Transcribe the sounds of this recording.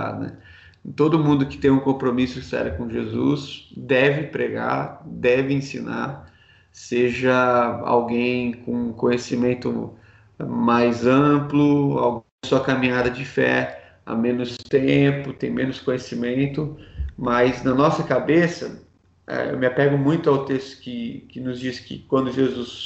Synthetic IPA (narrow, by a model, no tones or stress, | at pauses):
a̰nɛ̰ | t̪od̪ʊmũnd̪ʊkɪ̥t̪ẽj̃ũkõpɾomisʊsɛ̰ɾjʊkõʒezusd̪ɛvɪpɾeɡa̰ɾd̪ɛvɪẽsĩna̰ɾ | seʒɐa̰wɡẽj̃kõũkõjesimẽnt̪ʊ̰ | majzɐ̃plʊa̰wɡ̃suɐkamĩɲad̪ɐd͡ʒɪfɛ̰ | a̰mẽnʊst̪ẽpʊt̪ẽj̃mẽnʊskõjesimẽnt̪ʊmɐjznɐnɔsɐkabesɐ̰ | ɛ̰ḛwmɪapɛɡʊmũj̃t̪ʊawt̪est̪ʊ̥kɪkɪnʊzd͡ʒiskɪ̰kwɐ̃nd̪ʊʒezus